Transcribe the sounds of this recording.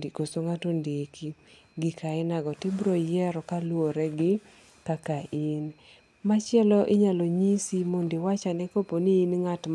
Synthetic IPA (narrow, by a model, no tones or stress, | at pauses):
kosoŋatondekʰi | ɡɪkʰaɪnaɡɔtɪbɾojɛɾɔkalwoɾɛɡɪ | kakain | mat͡ʃɪɛlɔʔɪɲaloɲisimondɪwat͡ʃanɛkoponiːnŋat